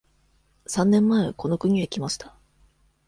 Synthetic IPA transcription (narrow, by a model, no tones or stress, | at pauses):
sãnːẽ̞mːaeko̞no̞kɯ̟ɲ̟iekʲimaɕi̥t̪ḁ